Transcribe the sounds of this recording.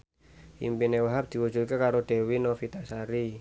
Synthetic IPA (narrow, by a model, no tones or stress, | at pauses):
ḭmpinewaɦap̚d̪̥i̤wu̥d͡ʒṳt̪̚kekaɾoɖ̪̥e̤winofit̪asaɾi